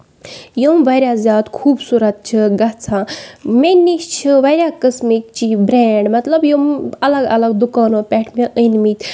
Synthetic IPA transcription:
jomʋajɾʲjazʲjaːd̪kʰuːbsuɾat̪̚t͡ʃʰɨɡat͡sʰãmeniɕt͡ɕʰɨʋajɾʲjakəsmik̚t͡ɕibɾeɳɖmɐt̪ləbjomɐlaɡɐ̰laɡd̪ukaːnopʲɛʈʰmʲeʔəjnmit̪

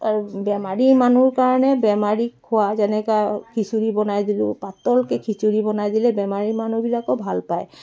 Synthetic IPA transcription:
aɹubɛmaɹimanuɹkaɹɔnɛbɛmaɹikʰʊwazɛnɛkakʰisuɹibɔnajd̪ilʊ̃pat̪ɔlkɛkʰisuɹibɔnajd̪ilɛbɛmaɹimanubilakɔbʱalpaj

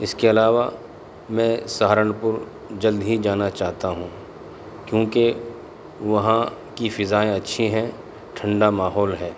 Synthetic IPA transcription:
ɪskeɐlaːʋa | mɛ̃ːsaɦɾəɳpʊɾ | d͡ʒɐld̪ɦid͡ʒaːnat͡ʃaːɦt̪aɦũː | kjõːke | ʋɐɦãkifɪzaːẽɐtːʃʰiɦɛ̃ | ʈʰə̃ɳɖamaːɦɔːlɦɛː

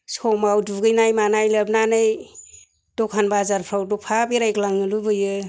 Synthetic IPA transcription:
sɔmawduɡɯjnajmanajləb̚nanɯj | d̥ɔkʰanbazaɾpʰɾawdɔpʰabiɾajklaŋɯlubɯjɯ

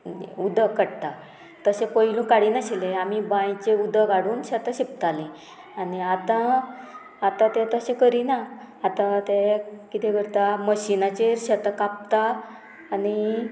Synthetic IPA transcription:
ud̪əkəɽt̪a | t̪əsepəɦilũːkaɽiːnəɕileamibãjt͡ɕeud̪əɡaɽuːnɕət̪aɕip̚t̪alẽ | aniat̪aː | t̪at̪et̪əsẽkəɾinaː | t̪at̪ekit̪ẽkəɾt̪aməɕinat͡ɕeɾɕət̪akap̚t̪aː | ni

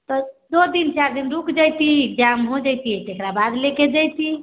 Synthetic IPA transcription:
t̪ɔd̪od̪int͡ʃaɾd̪inɾukd͡ʒajt̪iek̚d͡ʒamɦod͡ʒajt̪it̪ekɾabad̪leked͡ʒajt̪i

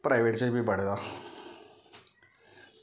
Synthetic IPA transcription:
pɾaɪʋeːʈt͡ɕebʱipəɽd̪aː

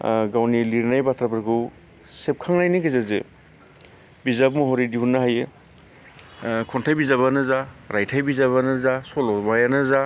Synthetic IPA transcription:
ɡawniliɾnajbatʰɾapʰɾkʰɯw | sep̚kʰaŋnajniɡazazɯ̰ | bizap̚mɔɦɔɾidiunːaɦajɯ | kʰɔntʰajbizaβanɯzaɾʔajtʰajbizaβanɯzasɔlɔbajanɯza

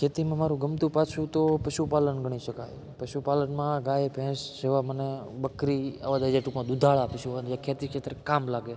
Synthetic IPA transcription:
kʰet̪imãmaɾũɡəmt̪ũpat͡ʃʰũt̪opəʃupalənɡʱəɽ̃iʃəkaj | pəʃupalənmãɡajepʰɛ̃sd͡ʒeʋamənebəkɾia̰ʋad̪ad͡ʒeʈukmãd̪ud̪ʱaɭːpiʃuənd͡ʒakʰet̪ikʃet̪ɾkamlaɡe

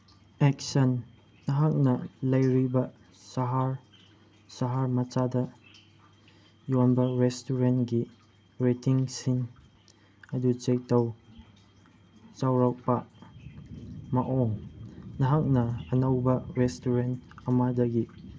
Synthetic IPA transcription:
ɛk̚sɐnː | ɐɦak̚nɐlɐjɾibɐ | sɐɦaɾ | sɐɦaɾmɐt͡ʃadɐ | jɔnbɐɾestuɾentɡi | ɾetiŋsiŋ | ɐdut͡ʃek̚tɐw | t͡ʃawɾak̚pa | mɐʔɔŋnɐɦak̚nɐːnɐwbɐɾestuɾentɐmadɐɡi

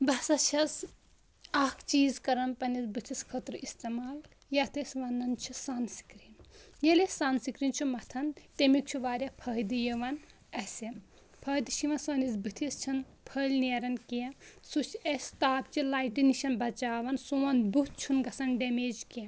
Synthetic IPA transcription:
bɐsɐt͡ʃʰɐs | ɐkt͡ʃiːzkɐɾɐnpɐnizbɨt̪ʰiskʰɐt̪ɾɨist̪emaːl | jɐt̪ʰɐsʲʋɐnːɐnt͡ʃʰusɐnsi̥kɾinjɐlesansikɾint͡ʃʰumɐt̪ʰɐnt̪emik̚t͡ʃʰuʋaːɾʲɐpʰɐːɦd̪ɨjɐʋɐn | ɐsɐ | pʰɐːd̪ɨʃiʋɐnsɐnizbɨt̪ʰist͡ʃʰɐn | pʰɐlʲneːɾɐnkiɐsut͡ʃʰɐsʲt̪aːb̚t͡ʃilaːiʈiniʃɐnbɐt͡ʃaːʋɐnsuʋɐnbut̪̚t͡ʃʰunɡɐsɐnɖɐmeːd͡ʒkiɐ

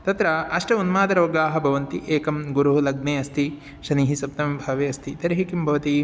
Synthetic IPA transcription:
t̪ɐt̪ɾɐɐʂʈɐunmaːd̪ɐɾoːɡaːɦɐbʱɐʋɐnt̪iʔeːkɐmɡuɾuɦulɐɡneːɐst̪ʰi | ʃɐniːɦisɐp̚t̪ɐmbʱɐʋeːɐst̪ʰit̪ɐɾɐɦikimbʱɐʋɐt̪i

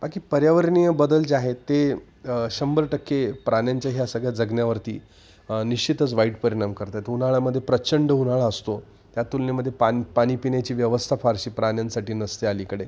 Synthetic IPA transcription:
bakiːpəɾjaʋəɾɳijəbəd̪əld͡ʑeaɦet̪e | ɕəmbəɾʈəkʰːepɾanjaɲt͡ɕjaɦjasəɡɭjad͡zəɡnjaʋəɾt̪ḭː | niɕt͡ɕit̪ət͡sʋaiʈ̚pəɾiɽ̃amkəɾt̪at̪unaɭaməd̪ʱːjepɾət͡ɕəɳɖəɦunaɭaəst̪o | t̪jat̪ulnjaməd̪ʱːjepanpaɽ̃iːpinjat͡ɕiːʋjəʋəst̪ʰafaɾɕiːpɾanjansaʈiːnəst̪ealikəɽe

